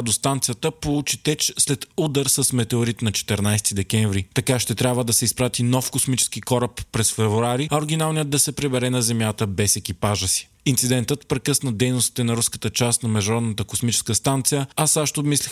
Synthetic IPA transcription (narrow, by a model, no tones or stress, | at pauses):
d̪ost̪ant̪sijət̪əpolˠut͡ʃit̪ɛt͡ʃslɛt̪ud̪əɾsɐsmɛt̪ɛʊɾit̪nɐt͡ʃɛ̥t̪ɛɾnajsɛ̥t̪id̪ɛk̟ɛɱvɾit̪ɐkaʃt̪ɛt̪ɾʲabvəd̪ɐsɛispɾat̪inɔfkosmit͡ʃɛ̥skikɔɾəpːɾɛsfɛvɾuaɾiɐoɾɡʲinalˠnijət̪̚d̪ɐsɛpɾɛbɛɾɛnɐzɛmjat̪əbɛsɛk̟ipaʒəsi̥ | int̪sid̪ɛnt̪ət̪pɾɛkɤsnəd̪ɛjnʊst̪i̥t̪ɛnɐɾuskə̥t̪ət͡ʃast̪nɐmɛʒd̪nɾɔd̪nət̪əkosmit͡ʃɛ̥skəst̪ant̪sijəasaʃt̪obmislix